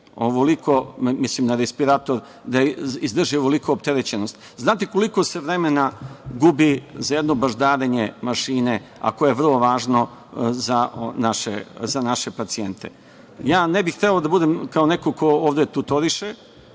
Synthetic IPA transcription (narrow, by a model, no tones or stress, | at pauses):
oʋoliko̞mislimnaɾespiɾat̪o̞ɾ | d̪aizd̪r̩ʒioʋolikoopt̪e̞ɾet͡ɕenost̪ | znaːt̪eko̞liko̞se̞ʋɾemenaɡubizajed̪no̞baʒd̪aːɾeɲemaʃiːne̞a̰kojeʋr̩lˠo̞ʋaːʒno | zanaʃezanaʃe̞pat̪sient̪ʰḛ | jaːnebixt̪elod̪abud̪emkao̞nekoko̞oːʋd̪e̞t̪ut̪oɾiʃe